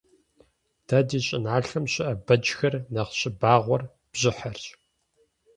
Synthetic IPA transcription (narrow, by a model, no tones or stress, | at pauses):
d̥ʰaːdiːɕʼɪnʕaːɬɐmɕɪʔɐbɐd͡ʒxɐrnɐqɕʼɪbaːʁʷɔr | b̥ʑɪħɐrt͡ʃʼ